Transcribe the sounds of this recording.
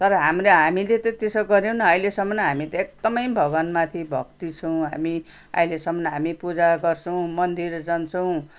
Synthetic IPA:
t̪ʌɾʌɦamreɦamilet̪ʌt̪esoɡʌɾjownʌʌjlesʌmːʌnʌɦamit̪ʌek̚d̪ʌmʌjbʱʌɡʌnmat̪ʰibʱʌ̰kt̪it͡sʰʌw̃ɦa̰mi | ʌ̰ilesʌmːʌnɦamipud͡zaɡʌrt͡sʰʌw̃mʌnd̪ird͡zʌnt͡sʰʌw̃

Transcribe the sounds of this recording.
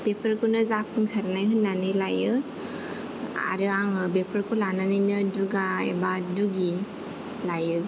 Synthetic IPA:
pepʰəɾkʰunɯzap̚ʰuŋsaɾanajhɯnːanɯjlajɯ | a̰ɾɯaŋbepʰəɾkʰɯlananɯjnɯduɡaḛbaduɡi | lajɯ

